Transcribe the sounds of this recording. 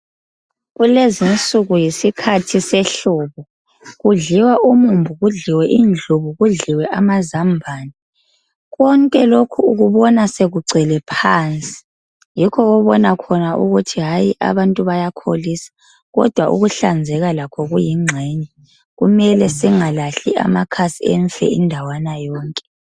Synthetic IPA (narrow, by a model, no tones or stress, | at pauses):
ɣulezint͡sʼuɣujisikʰatʰisɛɬuːβɔ | ɣuɮiwaʔumumbʱuɣuɮiwɛʔind͡ɮʱuβuɣuɮiwɛʔamazambʱaːni | ɣɔŋkʼɛlokʰuːɣuβɔnaseɣuɡ͡ǀʱɛlɛpʰaːnt͡sʼi̥ | jikʰɔɔβɔnakʰɔnaʔuɣutʰiɦajiʔa̰βantʼuβajakʰo̰lisḁ | ɣɔ̰d̥ʱwaʔṵɣuɬand͡zʱɛɣalakʰɔɣujiŋ͡ǀʱɛɲɛ | ɣumɛlɛsiŋalaɬiʔa̰makʰasiɛɱfɛ̰indʱawanajɔːŋkʼɛ̥